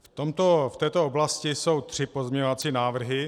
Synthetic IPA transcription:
ft̪omt̪oft̪ɛːt̪ooblascɪso̞wt̪r̥ɪpo̞zmɲɛɲovat͡siːnaːvr̩ɦɪ

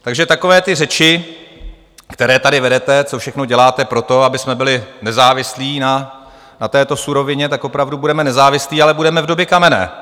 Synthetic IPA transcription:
t̪aɡʒɛt̪ako̞vɛːt̪ɪrɛt͡ʃɪ | kt̪ɛɾɛːt̪adɪvɛdɛt̪ɛt͡sofʃɛxnoɟɛlaːt̪ɛpɾo̞t̪o̞abɪsmɛbɪlɪnɛzaːvɪsliːna | nat̪ɛːt̪o̞suɾo̞vɪɲɛt̪akʔo̞pɾavdubudɛmɛnɛzaːvɪsliːalɛbudɛmɛvdo̞bjɛkamɛnɛ̰ː

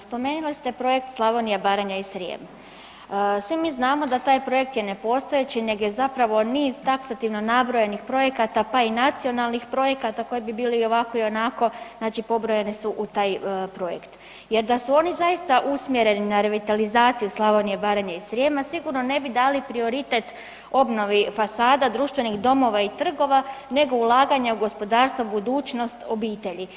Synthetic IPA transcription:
spo̞me̞ːnulist̪e̞pɾo̞je̞kt̪slˠaʋonijebaːɾaɲaisɾjḛma | sʋimiːznaːmo̞d̪at̪aːjpɾo̞je̞k̚t̪jene̞po̞st̪o̞jet͡ɕine̞ɡje̞zapɾaʋo̞niːzt̪aksat̪iʋno̞nabɾojenixpɾo̞je̞kat̪apainat̪sio̞nalˠnixpɾo̞je̞kat̪ako̞jebibiːleio̞ʋako̞io̞nako̞znaːt͡ʃipo̞bɾo̞jenisuʔut̪aːjpɾo̞jḛkt̪ | je̞ɾd̪asuo̞nizajist̪aʔusmjeɾe̞ninaɾe̞ʋit̪alizaːt̪sijuslˠaʋonijebaːɾaɲaisɾjemasiɡuɾno̞ne̞bid̪aːlipɾio̞ɾit̪et̪ | o̞bno̞ʋifasaːd̪ad̪ɾuːʃt̪ʋe̞nixd̪o̞mo̞ʋait̪r̩ɡo̞ʋane̞ɡo̞ulˠaːɡaɲauɡo̞spo̞d̪aːɾst̪ʋobud̪uːt͡ʃno̞st̪o̞biːt̪e̞ʎi

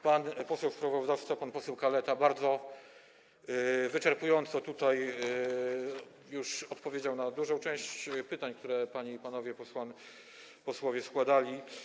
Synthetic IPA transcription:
panpɔsɛwspɾavɔzd̪aft̪sapanpɔsɛwkalɛt̪abaɾd̪zɔ | vɘt͡ʂɛɾpujɔnt̪sɔt̪ut̪aj | juʂɔt̪pɔvʲjed͡ʑawnad̪uʐɔ̃w̃t͡ʂɛ̃w̃ɕt͡ɕpɘt̪aɲk̚t̪uɾɛpaɲipanɔvʲjɛpɔswan | pɔswɔvʲjɛskwad̪alʲi

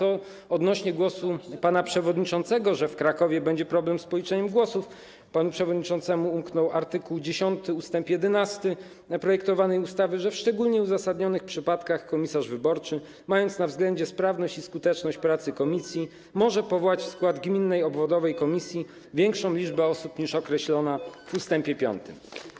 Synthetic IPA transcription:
ɔ | ɔd̪nɔɕɲɛɡwɔsupanapʂɛvɔd̪ɲit͡ʂɔnt̪sɛɡɔʐɛfkɾakɔvʲjɛbɛɲd͡ʑɛpɾɔblɛmspɔlʲit͡ʂɛɲɛmɡwɔsuf | panupʂɛvɔd̪ɲit͡ʂɔnt̪sɛmuumknɔwaɾt̪ɘkuwd͡ʑeɕɔnt̪ɘust̪ɛmpjɛd̪ɛnast̪ɘ | pɾɔjɛkt̪ɔvanɛjust̪avɘʐɛfʂt͡ʂɛɡulɲɛuzasad̪ɲɔnɘxpʂɘpat̪kaxkɔmʲisaʐvɘbɔɾt͡ʂɘ | majɔnt̪snavzɡlɛɲd͡ʑɛspɾavnɔɕt͡ɕiskut̪ɛt͡ʂnɔɕt͡ɕpɾat̪sɘkɔmʲisʲji | mɔʐɛpɔvɔwat͡ɕfskwad̪ɡmʲinːɛjɔbvɔd̪ɔvɛjkɔmʲisʲji | vʲjɛŋkʂɔ̃w̃lʲid͡ʐbɛɔsupɲiʂɔkɾɛɕlɔnavust̪ɛmpʲjɛpʲjɔ̰nt̪ɘm

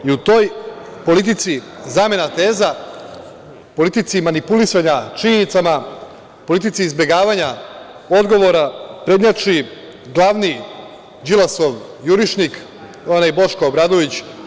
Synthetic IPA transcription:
iut̪o̞jpo̞lit̪̬it̪sizaːme̞nat̪e̞ːza | po̞lit̪it̪simanipulisaɲat͡ʃiɲenit̪sama | po̞lit̪̬it̪siːzbe̞ɡaːʋaɲa | o̞d̪ɡo̞ʋo̞ɾapɾe̞d̪ɲat͡ʃi | ɡlˠaʋni | d͡ʑilˠasoʋjuɾiʃnik | onajbo̞ʃkoobɾaːd̪o̞ʋit͡ɕ

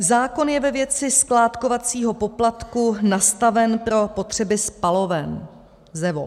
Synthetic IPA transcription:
zaːko̞njɛvɛvjɛt͡sɪsklaːt̪ko̞vat͡siːɦo̞po̞plat̪kunast̪avɛnpɾo̞po̞t̪r̝̥ɛbɪspalo̞vɛn | zɛvo̰

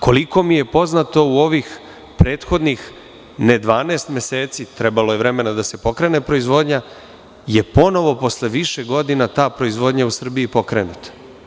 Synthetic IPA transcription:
ko̞liko̞mije̞po̞znat̪o̞uo̞ʋix | pɾeːt̪xo̞d̪nix | ned̪ʋaːneːst̪mʲje̞seːt̪sit̪ɾe̞baloje̞ʋɾe̞me̞nad̪ase̞po̞kɾe̞ːne̞pɾo̞izʋo̞ːd̪ɲa | je̞po̞no̞ʋo̞po̞sleʋiʃe̞ɡo̞d̪inat̪aːpɾo̞izʋo̞ːd̪ɲausr̩biipo̞kɾenut̪ḁ

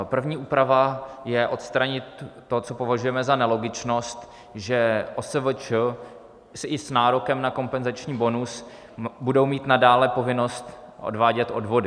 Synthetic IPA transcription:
pr̩vɲiːʔuːpɾavajɛʔo̞t̪st̪ɾaɲɪt̪ː | o̞tt͡so̞po̞vaʒujɛmɛzanɛlo̞ɡɪt͡ʃno̞st̪ | ʒɛʔosəvət͡ʃə | sʔɪsnaːɾo̞kɛmnako̞mpɛnzat͡ʃɲiːbo̞nus | budo̞wmiːt̪nadaːlɛpo̞vɪno̞st̪ʔo̞̰dvaːɟɛt̪ʔo̞̰dvo̞dɪ

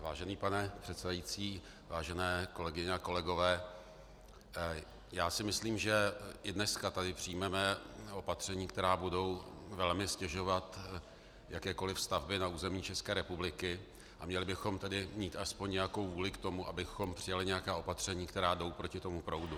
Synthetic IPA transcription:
va̰ːʒɛniːpanɛpr̥ɛt̪sɛdajit͡siː | vaːʒɛnɛːko̞lɛɡɪɲɛako̞lɛɡo̞vɛː | jaːsɪmɪsliːmʒɛʔɪdnɛskat̪adɪpr̥ɪjmɛmɛo̞pat̪r̝̥ɛɲiːkt̪ɛɾaːbudo̞wvɛlmɪscɛʒo̞vat̪ | jʔakɛːko̞lɪfst̪avbɪnauːzɛmɲiːt͡ʃɛskɛːɾɛpublɪkɪ | ʔamɲɛlɪbɪxo̞mt̪ɛdɪmɲiːt̪ʔaspoɲɲɛjako̞wvuːlɪkt̪o̞muʔabɪxo̞mpr̥ɪjalɪɲɛjakaːʔo̞pat̪r̝̥ɛɲiːkt̪ɛɾaːdo̞wpɾo̞cɪt̪o̞mupɾo̞wdu

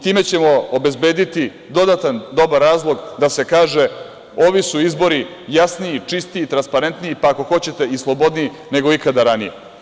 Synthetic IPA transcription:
t̪iːme̞t͡ɕe̞mo̞obe̞zbe̞ːd̪it̪i | d̪o̞d̪at̪and̪o̞baɾːaːzlˠo̞ɡd̪ase̞kaːʒe̞ | o̞ʋisuizbo̞ɾi | jasniit͡ʂist̪iːt̪ɾanspaɾe̞nt̪niipaːko̞xo̞t͡ɕe̞t̪e̞islˠo̞bo̞d̪niji | ne̞ɡo̞ikad̪aɾanijḛ

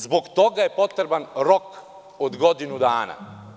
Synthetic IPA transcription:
zbokt̪o̞ɡajepo̞t̪ɾebanɾok | od̪ɡod̪inud̪aːna̰

